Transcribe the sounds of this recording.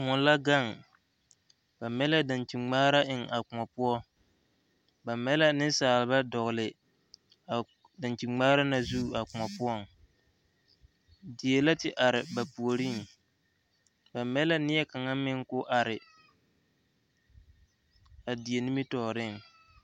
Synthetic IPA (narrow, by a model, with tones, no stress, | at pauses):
mɔ˨nla˦ɡa˦˨ŋ | ba˨mɛ˦la˦da˨nt͡ʃi˨ŋ͡maː˦ɾa˦ʔɪ˨ŋa˨kʊ˨a˨pʊ˦ɔ˦ | ba˨mɛ˦la˦nɪ˦n˦saː˨lɪ˨ba˦dɔ˨ɣʊ˨lɪ˨ | da˨nt͡ʃi˨ŋ͡maː˦ɾa˦na˨zu˦˨a˨k͡pʊ˨ma˨pʊ˦ɔ˦˨ŋ | di˨e˨la˦tɪ˦ʔa˨ɾɪ˨ba˨pu˨o˨ɾi˦˨ŋ | ba˨mɛ˦la˦nɪ˦jɛ˦ka˨ŋa˦mɪ˦ŋ˦kʊ˦ʔa˨ɾɪ˨ | a˨di˨e˨ni˦mi˦tɔ˨ɾɪ˦˨ŋ